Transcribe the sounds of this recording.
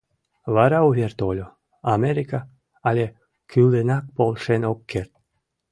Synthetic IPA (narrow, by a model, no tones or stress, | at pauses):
vaɾauvʲert̪olʲo | ameɾika | alʲe | kʰyld̪enak̚polˠʂenokʰːert̪